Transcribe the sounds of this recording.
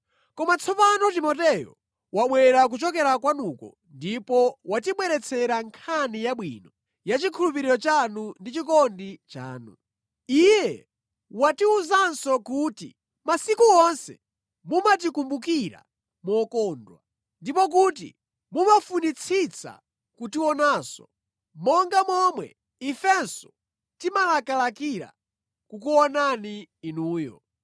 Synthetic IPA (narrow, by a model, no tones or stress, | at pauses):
kɔmat͡sʰɔpanɔt̬imɔtɛjɔ̰ | waɓwɛɛɾak̬ut͡ʃɔkɛɾakwanukɔ̰ | ndipɔwatiɓwɛɾɛt͡sʰɛɾaŋkʰanijaɓwinɔ | jat͡ʃikʰulup̬iɾiɾɔt͡ʃanundit͡ʃikɔndit͡ʃa̰ːnṵ | ijɛ | watiuzansɔkuːtḭ | masikuɔnsɛ̰ | mumat̬ikumbukiɾa̰ | mɔkɔːndwa̰ | ndipɔk̬ut̬ḭ | mumafunit͡sʰit͡sʰa̰ | kutiwɔnaːsɔ̥ | mɔŋɡamɔmwɛ̰ | ifɛnsɔ̥ | timalakalakiɾa̰ | kukuɔnaniːnuːjɔ̰